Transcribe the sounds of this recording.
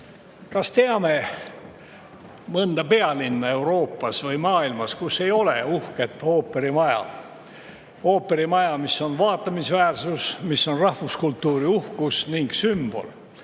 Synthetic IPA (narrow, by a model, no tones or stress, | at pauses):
kɑst̪e̞ɑme̞ | mɤnd̪̥ɑpe̞ɑlinːɑe̞wɾo̞ːpːɑsvɤjmɑːilmɑskusːe̞jo̞le̞uhke̞t̪ːˑo̞ːpːˑe̞ɾimɑjɑ̰ | o̞ːpːˑe̞ɾimɑjɑmisːo̞nvɑːt̪ːˑɑmisvæːrsusmisːo̞nrɑhvuskult̪ːuːɾiuhkusniŋɡ̥symb̥o̞̰l